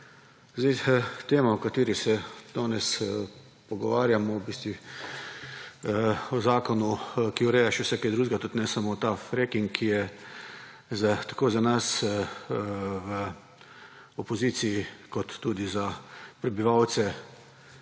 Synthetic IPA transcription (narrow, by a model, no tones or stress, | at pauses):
zd̪ɛɪt̪eːmaɔkat̪iːɾisɛd̪̥ɔːnɛs | pɔɡɔʋaːɾjamɔwbiːst̪ʋi | ɔzaːkɔnukiɔɾɛːjaʃɛwsɛkɛd̪ɾuːʒɡat̪ut̪nɛsamot̪afɾɛkiŋkkʰːijɛ | zat̪akoːzanas | wə | ɔpɔziːt̪sijikɔt̪ːuːd̪izapɾɛbiʋawt̪sɛ